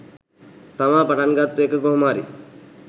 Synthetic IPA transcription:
t̪amaːpaʈanɡat̪ːuekəkoɦmaːɾḭ

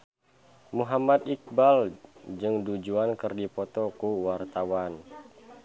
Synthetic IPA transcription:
muɦamat̪ik̚bald͡ʒɨŋdud͡ʒuankɨrdipɔt̪ɔkuwart̪awan

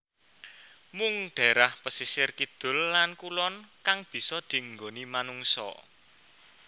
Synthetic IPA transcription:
mʊŋɖ̪̥a̤ɾahpəsisɪrkid̪̥ʊ̤lːankulɔnkaŋb̥i̤sɔd̪̥i̤ŋɡonimanuŋsɔ̰

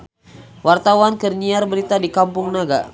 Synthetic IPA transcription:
wart̪awankərɲiarbəɾit̪adikampʊŋnaɡa̰

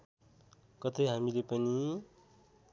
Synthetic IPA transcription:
kʌt̪ʌjɦamilepʌni

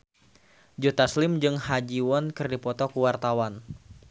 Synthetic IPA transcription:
d͡ʒut̪aslɪmd͡ʒɨŋhad͡ʒiwɔnkɨrdipɔt̪ɔkuwart̪awan

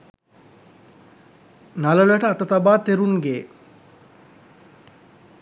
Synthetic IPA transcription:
nalələʈəat̪ət̪abaːt̪eɾunɡeː

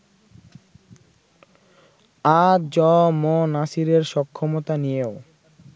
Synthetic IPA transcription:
ad͡ʑɔmɔnasiɾeɾʃɔkʰːomot̪anijeo

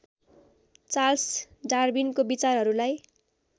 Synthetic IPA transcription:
t͡sals | ɖarbinkobit͡sarɦʌɾulaj

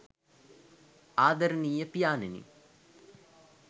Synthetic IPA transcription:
aːd̪ɐɾəniːjəpijaːnenḭ

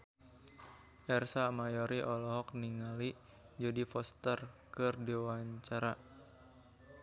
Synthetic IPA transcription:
ʔɛrsamajɔɾiʔɔlɔɦɔk̚niŋali | d͡ʒadifɔst̪ərkɨrdiwaɲt͡ʃaɾa

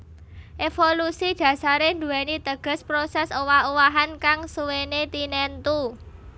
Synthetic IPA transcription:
ʔefolusid̥ä̤saɾend̪uɛnit̪əɡ̥ə̤spɾosɛsowauwaɦankaŋsuwenet̪inɛnt̪u

